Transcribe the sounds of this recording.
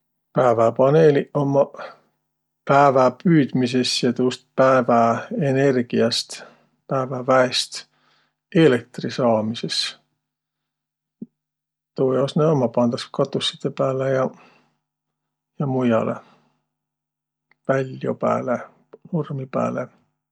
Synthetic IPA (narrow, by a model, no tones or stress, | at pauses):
pæevæpɑneliʔomɑ | pæevæpyːd̪̥mis̬e̞sjɑt̪uːst̪̚pæevæene̞rɡ̥iɑst̪ | pæevævæest̪ | e̞lek̚t̪risɑːmise̞s | t̪oːjɑsneomːɑpɑnd̪̥ɑskɑt̪ːˑusːi̥t̪ːepæːlejɑ | jɑmujɑ̰lḛ | vælʲːjopæ̰ːle | normipæ̰ːlḛ